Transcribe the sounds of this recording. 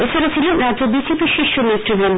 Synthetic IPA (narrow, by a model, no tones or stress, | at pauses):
et͡ɕʰaɾet͡ɕʰilenɾaobid͡ʑepiɾʃiʃːomeʈːɾiɡɾan